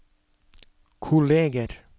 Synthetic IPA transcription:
kʰʊleːɡəɾ

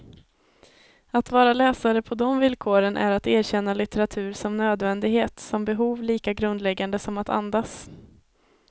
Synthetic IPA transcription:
at̪vɑːɾalɛːsaɾəpʰɔd̪ɔmvɪlkʰoːɾənʔæ̰ɾat̪eːɾɕɛnːalɪt̪ɛɾat̪ʰʉ̟ːɾʂɔmnøːd̪vɛnd̪ɪɡheːt̪sɔmbɛɦuːvliːkaɡɾɵnd̪lɛɡːand̪əsɔmat̪a̰nd̪as

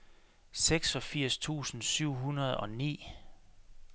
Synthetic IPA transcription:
seɡ̥sɒ̽fiɐ̰st͡sʰṵːsn̩syʊ̰ɦunɐð̩ˠɒ̽nḭː

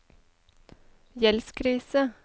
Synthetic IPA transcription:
jɛlskʰɾiːsə

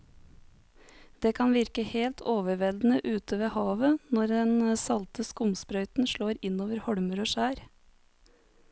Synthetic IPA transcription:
d̪̥eːkʰɑnʋɪɾkəheːlt̪ʰoːʋəʋɛld̪n̩əʔʉːt̪ʰəʋeːhɑːʋənɔɾd̪ɛnəsɑlt̪əskʊmspɾœʏt̪n̩ʃɭoːɾɪnoːʋəɾhɔɽməɾoːʃæːɾ

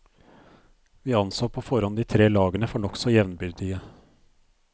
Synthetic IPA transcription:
ʋiːɑnsoːpʰoːfɔɾɑnd̪iːt̪ʰɾeːlɑːɡənəfɔɳɔksɔjɛʋnbʏɡd̪ɪɡə

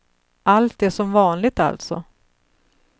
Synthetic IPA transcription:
ʔalt̪̚d̪ɛʂɔmvɑːnlɪɡ̚t̪a̰lt̪sɔ̰

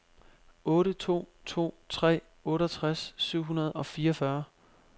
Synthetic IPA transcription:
ɔ̽ːɾət͡sʰo̝̰ːt͡sʰo̝̰ːt͡sʰʁɛ̰ː | ɔ̽ːɾɐt͡sʰʁasːyʊ̰ɦunɐð̞ˠɒ̽fiːɐfɶɐ

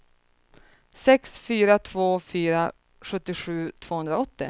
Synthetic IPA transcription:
sɛksfyːɾat̪ʰvoːfyːɾa | ɧɵt̪ːɪɧʉ̟ːt̪ʰv̥oːhɵnd̪ɾaɔt̪ːɪ̰

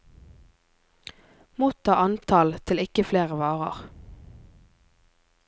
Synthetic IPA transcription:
muːt̪ʰɑːʔɑnt̪ʰɑlt̪ʰɪlɪkəfleːʁəʋɑːʁə̰ʁ

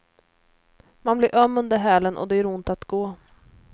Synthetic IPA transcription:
manblɪɾʔœmːɵnd̪əɾɦɛːlənʔɔ̰d̪ɛæɾʊnt̪at̪ɡ̥oː

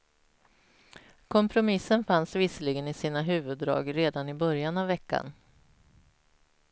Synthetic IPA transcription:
kʰɔmpʰɾʊmɪsːənfansvɪsəlɪɡənɪsiːnaɦʉ̟ːvɵd̪ːɾɑ̰ːɡɾeːd̪anɪbœɾjanavːɛkːa̰n

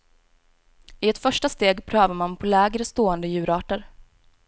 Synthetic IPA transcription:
ɪɛt̪fœʂʈast̪eːɡpʰɾøːvaɾmanpʰɔlɛːɡɾəst̪oːɛnd̪əjʉ̟ːɾɑːʈəɾ

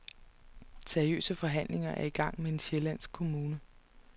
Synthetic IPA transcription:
seɐiø̰ːsəfɒ̽ɦæn̰le̝ŋɐʔæɐiɡ̥ɑ̈ŋ̰mee̝nɕelæn̰sɡ̥̚kʰo̝muːnə

